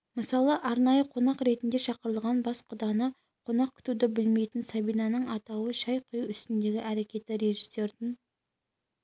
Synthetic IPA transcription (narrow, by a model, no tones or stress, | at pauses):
məsɑlˠəʔɑɾnɑjəqʰo̞nɑqɾe̞t̪ɪnd̪e̞ʃɑqəɾəlˠʁɑnbɑsqʰʊd̪ɑnə | qʰo̞nɑq̚kʲʰʏ̥t̪ud̪ɪbɪlme̞jt̪ɪnsɑbijnɑnəɴɑt̪ɑwəʃɑjqʰʊjuʏst̪ɪnd̪e̞ɡʲɪʔæɾe̞kʲe̞t̪ɪɾe̞ʒise̞ɾt̪ɪn